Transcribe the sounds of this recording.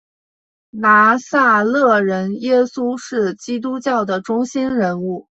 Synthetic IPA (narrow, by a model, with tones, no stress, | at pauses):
na˧˥sa˥˧lɤ˥˩ɻə˧˥njɛ˥su˥ʂɻ̩˥˩t͡ɕi˥t̪̬u˥t͡ɕjɑ˥˩ʊd̪ə˩ʈ͡ʂʊ˥ŋɕi˥nɻə˧˥nu˥˩